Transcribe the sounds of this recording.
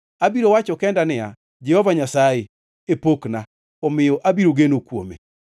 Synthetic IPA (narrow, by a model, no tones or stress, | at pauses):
abiɾowat͡ʃɔkɛndanɪa̰ | d͡ʒɛhɔvaɲasae | epokna | ɔmɪjɔʔabiɾoɡenokwo̰mḛ